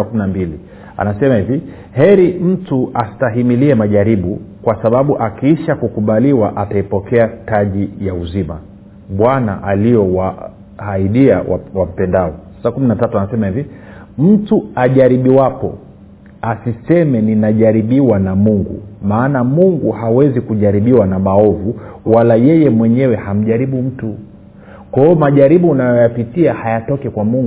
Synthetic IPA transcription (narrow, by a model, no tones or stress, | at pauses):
kuminambili | a̰nasɛmahivi | hɛɾim̩tuʔastaɦimiliɛmaʄaɾiɓukwasaɓaɓuʔakiiʃakukuɓaliwaʔataipɔkɛataʄijauzima | ɓwana̰ʔaliɔwa | haiɗia̰wa̰wam̩pɛndaɔsḁsakuminatatuanasɛmahivi | m̩tuaʄaɾiɓiwapɔ̰ | asisɛmɛninaʄaɾiɓiwanamuŋɡṵmaːnamuŋɡuhawɛzikuʄaɾiɓiwanamaɔvuwalajɛjɛmwɛɲɛwɛham̩ʄaɾiɓum̩tu | kwaɔmaʄaɾiɓuːnajɔjapitiahajatɔkɛkwamuŋɡ